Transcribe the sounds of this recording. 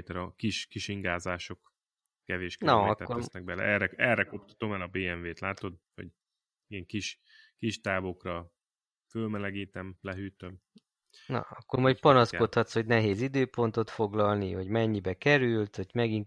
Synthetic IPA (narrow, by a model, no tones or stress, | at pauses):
t̪ɛɾɒkiʃkiʃiŋɡaːzaːʃo̞kː | ɛveːʃknɒɒk̪ɛoɛsnɛɡ̚bɛlɛ̰ʔɛrɛɛrɛkop̚t̪ɒ̥t̪omɛlɒbeːɛɱveːt̪laːt̪o̞d̪̚vɒ̰ɟ | ijɛŋkiʃ | kiʃt̪aːvokrɒ | følmɛlɛɡiːt̪ɛmlɛɦyːt̪øm | nɒ̰ɒkːormɒjcpɒnɒsko̞t̪hɒt̪sho̞ɟnɛɦeːzid̪øːpo̞nt̪o̞t̪fo̞ɡlɒlniɦo̞ɟmɛɲːibɛkɛɾylt̪hoɟmɛɡin